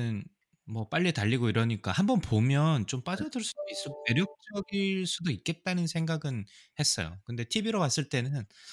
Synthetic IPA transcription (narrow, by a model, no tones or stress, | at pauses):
n | mwʌp͈aʎːitaʎːiɡoiɾʌɲik͈ahambʌnpomjʌnt͡ɕomp͈ad͡ʑʌdɯɭs͈udois͈ɯɡone̞ɾjʌk̚t͡ɕ͈ʌɡiɭɭs͈udoik̚k͈e̞t̚t͈anɯnsʰe̞ŋɡaɡɯnhe̞s͈ʌ̰jo̰kɯnde̞tʰibiɾowas͈ɯɭt͈e̞nɯn